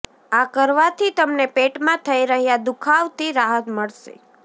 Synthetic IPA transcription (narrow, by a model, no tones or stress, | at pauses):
akəɾʋat̪ʰit̪əmnepeʈmãt̪ʰəiɾəɦjad̪ukʰaʋt̪iɾaɦət̪məɭʃḛ